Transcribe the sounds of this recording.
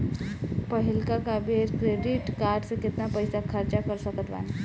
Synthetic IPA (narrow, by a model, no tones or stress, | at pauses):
pəɦilkakabeɾkɾeɖiʈkaɾɖsekɪt̪napəjsakʰəɾt͡ɕakəɾsəkət̪ʋa̰n